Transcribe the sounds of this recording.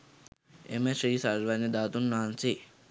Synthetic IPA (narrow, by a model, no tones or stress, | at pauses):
emesɾiːsaʋanid̪aːt̪unːaːnsi